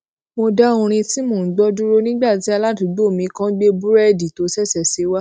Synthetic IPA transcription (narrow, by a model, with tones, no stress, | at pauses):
mo˧da˦õ˧ɾ̃ĩ˧ti˦mõ˨n̩˨˦ɡ͡bɔ˦du˦ɾo˦nĩ˦ɡ͡ba˦˨ti˨˦a˧la˦tu˨˦ɡ͡bo˦˨mĩ˨˧˦kã˦ɡ͡be˦bu˦ɾɛ˦˨di˨to˨˧˦sɛ˦˨sɛ˦˨se˨˦wa˦